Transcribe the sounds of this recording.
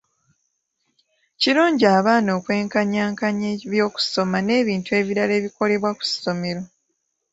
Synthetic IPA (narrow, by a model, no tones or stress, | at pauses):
ciɾuːɲɟiaːβaːno̞ːkwe̞ːŋkaɲaːŋkaɲeβjo̞ːku̥so̞mane̞ːβiːntue̞ːβiɾale̞ːβiko̞le̞βwaku̥sso̞me̞ɾo